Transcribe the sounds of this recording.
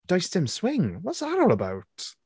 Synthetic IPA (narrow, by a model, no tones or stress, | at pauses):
d̥aɪstɪ̃mswɪ̃ŋwʌtsðəɾɔlˠəbaʊt